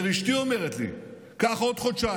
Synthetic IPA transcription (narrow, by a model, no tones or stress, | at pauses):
ʁiʃt̪iomeʁet̪lḭ | kaχao̞d̪χot̪t͡ʃa